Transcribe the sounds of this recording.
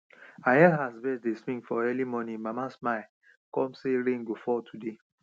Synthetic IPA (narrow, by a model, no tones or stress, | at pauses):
aɦɛlɦazbɛsdesmĩŋfɔɛlimɔnĩmamasmaɪ | kɔ̃mseɹẽnɡofɔtʰude